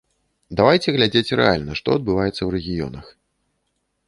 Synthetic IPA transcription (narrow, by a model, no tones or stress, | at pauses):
d̪avajt͡sʲɛɣlʲad͡zʲet͡sʲrɛ̰alʲnɐʂt̪ɔ̰ɐd̪̚bɨvajɛt̪sːɐwɾɛɣʲijɔ̰nɐx